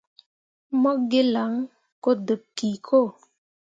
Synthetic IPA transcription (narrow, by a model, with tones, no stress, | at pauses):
mɔ˦ɡe˦la˨˦ŋ | ko˦də˨p̚ki˨kʰo˦˨